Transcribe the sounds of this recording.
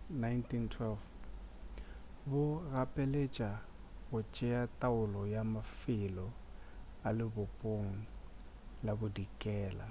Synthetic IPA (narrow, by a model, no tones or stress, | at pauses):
najntʰintʰwɛlf | bʊrapʼelet͡ʃʼa | bʊt͡ʃʼɛatʼaʊlɔjamafɪlɔ | alɪbʊpʼoŋ̩ | labʊdikʼɛːla̰